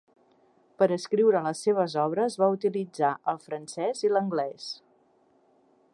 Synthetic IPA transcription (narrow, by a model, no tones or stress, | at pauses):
pəɾəskɾiwɾələsːeβ̞əzɔβɾəzβaut̪ilid͡zaʔəlˠfɾənsɛziləŋɡlɛs